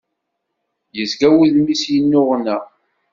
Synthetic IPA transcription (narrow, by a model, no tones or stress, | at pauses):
jəzɡæwiðmisjənːʊʁnæ